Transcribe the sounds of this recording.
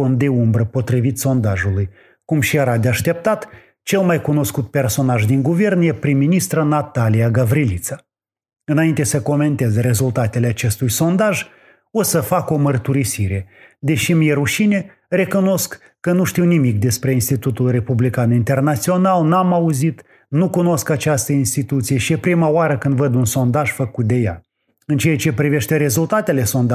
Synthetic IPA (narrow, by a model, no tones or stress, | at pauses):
ond̪e̞umbɾəpo̞t̪ɾivit̪so̞nd̪aʒuluj | kumʃijeɾad̪eaʃt̪e̞p̚t̪at̪ | t͡ʃe̞lmajkuno̞skut̪̚pe̞rso̞naʒd̪iŋɡuve̞rnjepɾimːinist̪ɾənat̪alijaɡavɾilit̪sa | ɨnaint̪e̞səko̞me̞nt̪e̞zɾe̞zult̪at̪e̞leat͡ʃe̞st̪ujso̞nd̪aʒ | o̞səfako̞mərt̪uɾisiɾe̞d̪e̞ʃimijeɾuʃine̞ | re̞kuno̞skː | ənuʃt̪iwnimik̚d̪e̞spɾe̞inst̪it̪ut̪ulre̞publikanint̪e̞rnat̪sio̞nalnamauzit̪ | nukuno̞skat͡ʃast̪əinst̪it̪ut̪sije̞ʃiepɾimaoaɾəkɨnd̪vəd̪unso̞nd̪aʒ̥fəkut̪̚d̪e̞ja̰ | ɨnt͡ʃejat͡ʃe̞pɾive̞ʃt̪e̞ɾe̞zult̪at̪e̞le̞so̞nd̪